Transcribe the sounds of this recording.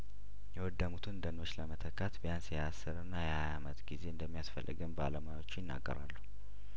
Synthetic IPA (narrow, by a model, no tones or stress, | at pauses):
jɛwɔd̪ːəmut̪ʰɨnd̪əno̞t͡ʃːləmət̪ʰəkːat̪bəjansjɛasːɨɾɨnːajɛhajamət̪ɡize̞ɨnd̪əmːijasfə̰lːɨ̰ɡɨmbaləmajwo̞t͡ʃːjɪnːa̰ɡːə̰ɾa̰lːu